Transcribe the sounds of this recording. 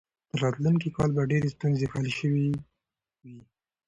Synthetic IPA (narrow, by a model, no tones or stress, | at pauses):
t̪əɾɑt̪lunk̬ikɑlbaɖeɾest̪unzexaleʃəwi | wi